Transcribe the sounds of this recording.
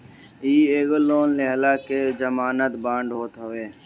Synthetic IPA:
iːeːɡoloːnleɦlaːked͡ʒəmaːnət̪bãːɳɖɦoːt̪ɦəʋeː

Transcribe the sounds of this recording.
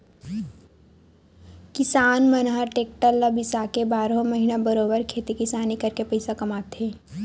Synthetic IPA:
kɪsaːnmənɦəʈeːk̚ʈəlːəbɪsakebaːɾõməɦinabəɾoːbəɾkʰeːt̪ikɪsaːnikɐɾkepɐɪsakɐmaːt̪ɦẽː

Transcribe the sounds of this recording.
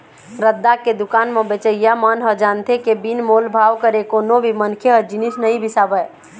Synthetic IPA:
ɾəd̪ːaked̪ukanmebet͡ʃəjjamənɦəd͡ʒant̪ʰekebinmolbʱaʋkəɾekonobʱimənkʰeɦəd͡ʒinisnəĩbʱisabə

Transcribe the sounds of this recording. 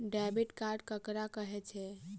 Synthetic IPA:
ɖabiʈkaɾɖkəkɾakəɦɛt͡ʃʰɛ

